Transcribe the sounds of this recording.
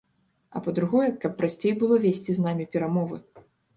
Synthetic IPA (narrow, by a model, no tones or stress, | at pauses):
ɐ̰pɐd̪ɾuɣɔjɛkɐpːɾasʲt͡sʲejbɨlˠɔvʲesʲt͡sʲiznamʲipʲɛɾamɔvɨ̰